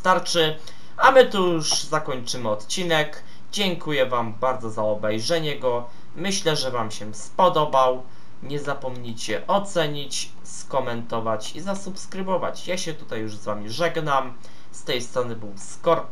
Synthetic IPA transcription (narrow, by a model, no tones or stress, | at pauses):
t̪aɾt͡ʂɘ | amɘt̪ujuuʂzakɔɲt͡ʂɘmɘɔt̪t͡ɕinɛk | d͡ʑɛŋkujɛvambaɾd̪zɔzaɔbɛjʐɛɲɛɡɔ | mɘɕlɛʐɛvamɕɛspɔd̪ɔbaw | ɲɛzapɔmɲit͡ɕɛʔɔt̪sɛɲit͡ɕ | skɔmɛnt̪ɔvat͡ɕizasupskɾɘbɔva̰t͡ɕjaɕɛt̪ut̪ajːuʐzvamʲiʐɛɡnam | st̪ɛjst̪ɾɔnɘbɘwskɔɾ